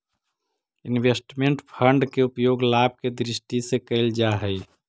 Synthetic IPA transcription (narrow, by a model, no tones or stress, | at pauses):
ɪnwesʈmẽɳʈpʰəɳɖkeʊpjoːɡlaːb̚ked̪ɾɪsʈisekəɪld͡ʒaɦəi